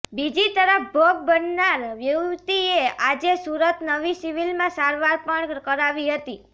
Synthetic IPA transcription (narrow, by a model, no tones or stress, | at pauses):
bid͡ʒit̪əɾəfbʱoɡ̚bənːaɾʋjəwt̪iead͡ʒesuɾət̪nəʋisiʋilmãsaɾʋaɾpəɳkəɾaʋiɦət̪i